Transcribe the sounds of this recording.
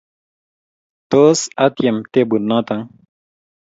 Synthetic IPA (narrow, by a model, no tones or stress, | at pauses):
t̪oːsɐt̪jemt̪ebunnːãːt̪aŋ